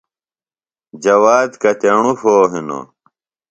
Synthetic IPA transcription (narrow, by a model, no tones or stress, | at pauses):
d͡ʑɐwaːd̪kɐt̪eɳufoːɦino̰